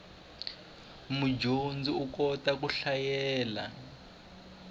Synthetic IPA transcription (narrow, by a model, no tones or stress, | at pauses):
mud͡ʒʱond͡ziukɔtak̬uɬajɛːla̰